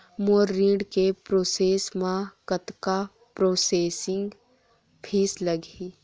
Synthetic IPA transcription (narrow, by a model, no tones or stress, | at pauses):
moːɾːĩːɖkepɾoːseːsmãkət̪ka | pɾoːseːsɪ̃ŋɡ | pʰiːsləɡi